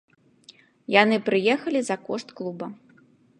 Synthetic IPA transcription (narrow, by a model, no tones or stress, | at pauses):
janɨpɾɨjɛxɐlʲizɐkɔʂt̪klˠubɐ